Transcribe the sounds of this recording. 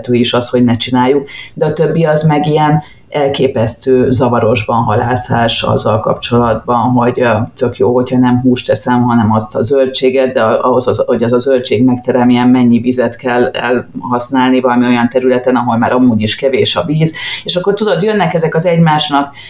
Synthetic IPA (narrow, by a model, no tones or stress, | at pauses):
t̪øːiʃɒsho̞ɟnɛt͡ʃinaːjːuk̚d̪ɛɒt̪øbːiɒzmɛɡijɛn | ɛlkeːpɛst̪øːzɒvɒɾo̞ʒbɒnɦɒlaːsaːʃɒ̰zːɒ̰lkɒ̰pt͡ʃo̞lɒd̪bɒnɦo̞ɟt̪ø̞kjoːho̞chɒnɛmɦuːʃt̪ɛsɛmɦɒnɛmɒst̪ɒzølt͡ʃeːɡɛd̪d̪ɛɒɦo̞zɒo̞ɟɛzɒzølt͡ʃeːɡmɛkt̪ɛɾɛmijɛmmɛɲːiviːzɛt̪kɛlːɛ̰lhɒsnaːlnivɒlɒmio̞jɒnt̪ɛɾylɛt̪ɛnɒɦo̞lmaːɾɒmuːɟiʃkɛveːʃɒviːzeːʃɒkːo̞rt̪ud̪o̞d̪jønːɛkɛzɛkɒzɛɟmaːʃnɒk